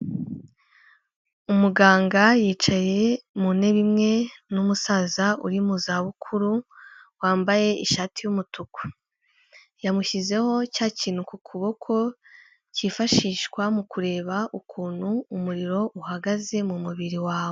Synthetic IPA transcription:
umuɡaːŋɡajiːt͡ʃaje̞mune̞βimŋe̞numusaːzaṵɾimuzaβukʰuɾu | waːmbaje̞iʃaːtʰijumutuko̥ | jamuçize̞ho̞caːciːn̥hukukʰuβo̞kʰo̞ | cifaʃiːʃkwamukuɾe̞ːβaʔukʰuːn̥huːmuɾiɾo̞ʔuhaɡaze̞mumuβiɾiwaːwo

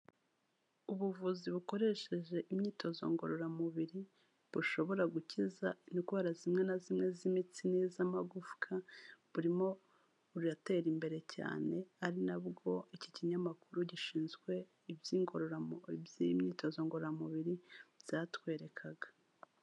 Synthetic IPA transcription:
uβuvuziβuko̞ɾe̞ʃe̞ʒe̞ʔimɲiːto̞zo̞̰ŋɡo̞̰ɾo̞ɾamuβiɾi | β̥uʃo̞βo̞ɾaɡucizanikβaɾazimŋe̞nazimŋe̞zimit͡sinezamaɡufu̥kʰaβuɾimo̞ | uɾujate̞ɾimbe̞ɾe̞cʰa̰ːne̞aɾinabɡo̞iciciɲamakuɾuɟiʃiːnzɡwe̞ | ibjiːŋɡo̞ɾo̞ɾamoibjijimɲiːto̞zoŋɡoɾoɾamuβiɾiz̥atwe̞ːɾe̞kʰaɡḁ

